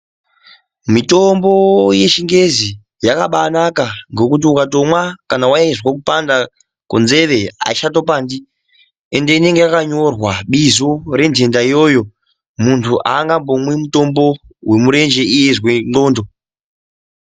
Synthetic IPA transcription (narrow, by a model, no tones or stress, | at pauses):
mito̞mbo̞je̞ʃiŋɡe̞zi | jakaɓanakaŋɡo̞kut̬iukato̞mwakanawajaizwak̬upanda | konze̞ʋe̞a̰iʃato̞paːndi | e̞nde̞ine̞ŋɡe̞jakaɲo̞rwaɓizore̞ntʰe̞ndaijo̞jo̞ | muntʰuʔaːŋɡambo̞mwemuto̞mbo̞we̞muɾe̞nd͡ʒe̞ijezweŋ͡ǃo̞ːndo̞